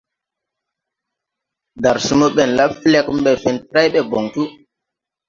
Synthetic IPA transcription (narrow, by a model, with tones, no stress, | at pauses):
da˨ɾsu˦mo˦ɓɛ˨nla˦fle˦km˦ɓɛ˨fi˨ntɾa˦jɓe˦˨bo˨ŋtu˦